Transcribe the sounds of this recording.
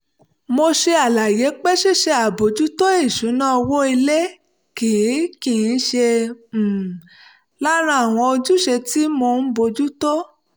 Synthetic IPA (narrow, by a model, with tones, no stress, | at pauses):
mo˧ʃe˧a˨la˨je˨˦k͡pɛ˦ʃe˦˨ʃe˧a˨bo˨˧˦d͡ʒu˦to˦e˦˨ʃu˨˦nã˦ɔ˧wo˦i˧le˦ | ki˨i˨˦kĩ˨˦ʃe˧˨ | la˦ɾ̃ã˧˦a˦˨w̃ɔ̃˧o˧d͡ʒu˦ʃe˧ti˦mo˧n̩˦bo˧d͡ʒu˦to˦